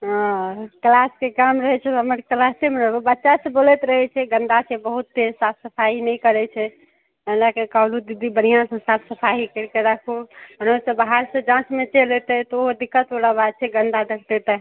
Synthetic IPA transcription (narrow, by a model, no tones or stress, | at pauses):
ə̃klaskekamɾəɦɛt͡ʃʰɛt̪ɦəməɾklastemeɾəɦbebətːʃasə̃bolɛt̪ɾəɦɛt͡ʃʰɛɡə̃nd̪asʰebəɦut̪̚ːed͡ʒsat̪ʰsəpʰaɦinɛjkəɾɛt͡ʃʰɛ | əlakekawlud̪id̪ibəñijãsə̃sat̪ʰsəpʰaɦikəɾkeɾakʰuɦənosə̃baɦaɾsə̃d͡ʒãsmet͡ʃelet̪ɛt̪ɔoɦod̪ikːət̪oɽabad̪̚t͡ʃʰɛɡə̃nd̪ad̪ʱəkʰt̪et̪a